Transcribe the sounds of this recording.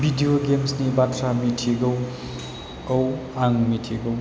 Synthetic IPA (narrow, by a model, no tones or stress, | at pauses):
bʱidijoɡemsnibatʰɾamitʰiɡʌw | ʌwaŋmitʰiɡow